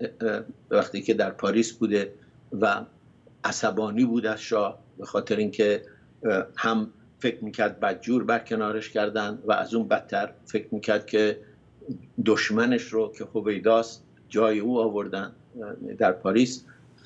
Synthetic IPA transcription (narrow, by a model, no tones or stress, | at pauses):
væχt̪iːkʰed̪æɾpʰɒːɾiːsbuːd̪e̞ | væ | ʔæsæbɒːniːbuːd̪æzʃɒːh | b̥exɒːt̪ʰeɾeiːŋkʰe̞ | hæm | fe̞kʰɾmiːcʰæɾd̪̚bæd̪̚d͡ʒuːɾbæɾkʰe̞nɒːɾeʃkʰæɾd̪ænd̪væʔæ̰zuːnbæt̪ʰːæɾfekɾmiːcʰæɾd̪̥̚kʲʰe | d̪oʃmæneʃɾokʰe̞hove̞jd̪ɒːst̪ | d͡ʒɒːjeuːɒːvo̞ɾd̪ænd̪d̪æɾpʰɒːɾiːs